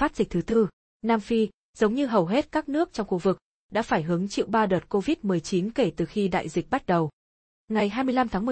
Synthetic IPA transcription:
faː˦˥t̚z̥ï˨˩k̚t̪ʰɨ˨˦t̪ɨ˧ | naː˧mfi˧ | z̥ə˨˦wŋ͡mɲɨ˧ɦə˨˩wɦe˦˥t̚kaː˦˥k̚nɨ˦˥ək̚t͡ɕɔ˧ŋ͡mxu˧vɨ˨˩k̚ | ɗa̰ː˧˥faː˧˩jɦɨ˨˦əŋt͡ɕḭ˧˨wɓaː˧ɗəː˨˩t̚ko˧vi˦˥t̚mɨ˨˩əjt͡ɕi˨˦nke˧˩t̪ɨ˨˩xi˧ɗa̰ː˧˨jzi˨˩k̚ɓa˦˥t̚ɗə˨˩w | ŋa˨˩jɦaː˧jmɨ˧əjla˧mt̪ʰaː˨˦mɨ˨˩

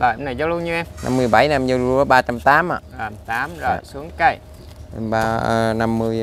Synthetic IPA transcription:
lɔː˨˩jʔo˧ŋ͡mna˨˩jzɔ˨˦wlu˧ənɲɨ˧ɛ˧mnʔa̰˧mːɨ˧əjɓa˧˩jna˧mzə˧zu˧ɔ˨˦ɓaː˧t͡ɕa˧mt̪aː˨˦mʔa̰ː˨˩a˨˩mt̪aː˨˦mzo˨˩jsu˨˦əŋka˧˩j | ɓaː˧əː˧˩na˧mːɨ˧əj

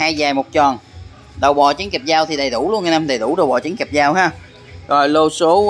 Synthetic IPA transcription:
haː˧jzaː˨˩jmo˨˩t̚t͡ɕɔ˨˩n | ɗə˨˩wɓɔ̰˨˩t͡ɕi˨˦ŋkɛ˨˩p̚zaː˧wt̪ʰi˨˩ɗə˨˩jt̪u˧˩wlu˧nː˨˩na˧mɗə˨˩jɗ̪u˧˩˦ɗə˨˩wɓɔ̰˨˩t͡ɕi˨˦ŋkɛ˨˩p̚zaː˧wɦaː˧ | zo˨˩jlo˧so˨˦

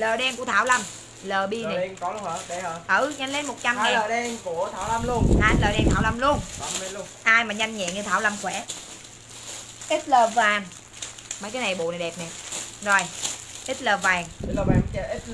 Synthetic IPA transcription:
ləː˨˩ɗɛ˧mku˧˩ət̪ʰaː˧˩wla˧˩m | ləː˨˩ɓi˧na˨˩˨kɔ˨˦lə˨˩ɗə˧həː˧˩ʔə˧˩ɲa˧jŋle˧˦nmo˨˩t̚t͡ɕa˧mŋɛː˨˩˨ɛ˧mku˧˩ət̪ʰaː˧˦wla˧mlu˧ənʔaː˧nləː˨˩ɗɛ˧mt̪ʰaː˧˦wla˧˩mlu˧ən˧˩˧ə | ʔaː˧jmaː˨˩ɲa˧jŋ̟ɲɛ̰˧˨ŋɲɨ˧t̪ʰaː˧˩wlə˧˩mxwɛ˧˩˦ | ʔi˦˥t̚ləː˨˩vaː˨˩ŋ | ma˧˦jkaː˨˦na˨˩jɓṵ˧˨na˨˩jɗɛ˨˩p̚nɛ˨˩zo˨˩jʔi˦˥t̚ləː˨˩vaː˨˩ŋ˦ləː˨˩a˧m˧˩ʔi˦˥t̚

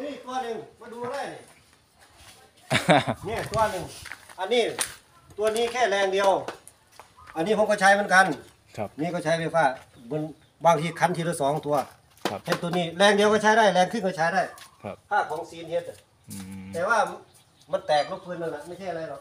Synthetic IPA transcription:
iː˧˨t̪u˧ɐ˧nɯ˧ŋmaː˧˨duː˧a˧ɾa˧˩˨jni˧˨ | ɲɛː˧˩˨t̪u˧ɐ˧nɯ˧ŋʔa˧nːiː˧˥˨ | t̪u˧ɐ˧niː˧˥˨kʰɛː˧˩lɛː˧ŋdi˧ə˧w | ʔa˧nːiː˧˩pʰo˧˦kʰɔ˧˩t͡ɕʰaː˧jmɯ˧˥˨nka˧˥˨nʰ˧ | niː˧˩kɔː˧˩t͡ɕʰaː˧˥jfe˧˩fʰaː˧˩ | bɯ˧˥˨n | baː˧˩ŋt̪ʰiː˧kʰa˧˥nt̪ʰiː˧ɾɯ˧˩sɔː˨˦ŋt̪u˧ɐ | tʰa˧˩t̪u˧əniː˧˩lɛː˧ŋdi˧əwka˧˩t͡ɕʰaː˧˥jɾaː˧˥˩jlɛː˧ŋkʰɯ˧˨ŋkɔ˧˩t͡ɕʰaː˧˥jdaː˧˩jpʰaː˧˥˩kʰɔː˨˦ŋsiː˨˦nhe˧t̪̚ | t̪ɛː˧waː˧˩ | ma˧˨nt̪ɛː˨˩k̚lo˧˥˩p̚ʰɯː˧˥˨nlɯ˧˩na˧˨ma˧˥˩jt͡ɕʰa˥˩jʔa˧a˧jlɔ˧˨k

